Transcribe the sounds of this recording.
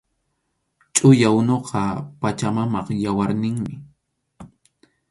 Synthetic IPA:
t͡ʃʼʊjaʊnoqʰɑpat͡ʃamamɑqjawaɾnɪŋmɪ

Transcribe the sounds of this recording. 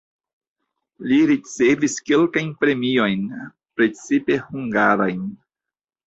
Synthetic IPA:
liɾit͡se̞viske̞lkajnpɾe̞mio̞jn | pɾe̞t͡sipe̞huŋɡaɾa̰jn

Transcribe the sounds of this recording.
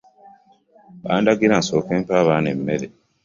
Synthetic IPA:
baːndaɡiɾansokempaːβanemːeɾe

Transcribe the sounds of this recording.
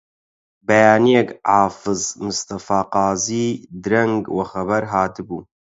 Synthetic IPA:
bɐjaːnijekʕaːfɨzmɨst̪ɐfaːqɑːziːd̪ɨɾɐŋɡwɐxɐβɐɾɦaːt̪ɨbuː

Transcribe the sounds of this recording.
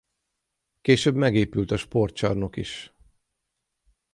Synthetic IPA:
keːʃøbmɛɡeːpylt̪ɒʃpo̞rt̪t͡ʃɒrno̞kiʃ

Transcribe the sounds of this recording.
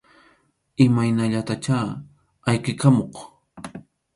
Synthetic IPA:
ɪmajnaʎat̪at͡ʃaː | ajqɪkamoq

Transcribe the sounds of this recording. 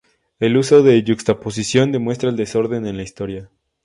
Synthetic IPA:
e̞luso̞ðe̞ʝukst̪apo̞s̬isjo̞nd̪e̞mwe̞st̪ɾaeld̪eso̞ɾðe̞nenlaist̪o̞ɾja

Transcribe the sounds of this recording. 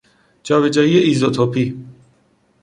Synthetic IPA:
d͡ʒɒːβed͡ʒɒːieiːzot̪ʰopʰi

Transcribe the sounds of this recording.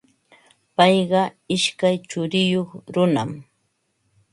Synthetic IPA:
pɑjɢɑɪʃkajt͡ʃʊɾɪjoχɾʊna̰m

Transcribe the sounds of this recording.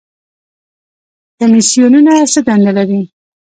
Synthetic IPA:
kamisijununasəd̪and̪alaɾi

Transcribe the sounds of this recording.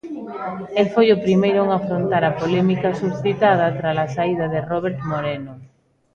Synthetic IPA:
elfojʊpɾimejɾʊeŋafɾont̪aɾɐpolɛmikɐsuθit̪að̞ɐt̪ɾalasaið̞ɐðeroβ̞eɾt̪moɾeno

